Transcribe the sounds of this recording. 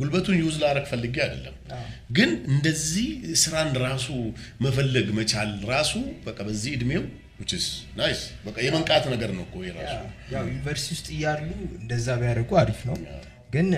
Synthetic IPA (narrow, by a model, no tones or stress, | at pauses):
ɡulbət̪ʰunjɛuzlaɾəɡfəlːɨɡiad̪ə̰lːə̰mɡɨnɨnd̪əzːihsɨɾanɾasuməfəlːəɡmət͡ʃalɾasubəkʼːabəzːihɨd̪mew | wʊt͡ʃːɪsnasbəkʼːajɛməŋkʼat̪nəɡəɾnəwkʰːojɛɾa̰sujawjunivəɾst̪iwʊst̪ʼɨjalːuɨnd̪əzːabjaɾəɡuaɾifnəw | ɡɨn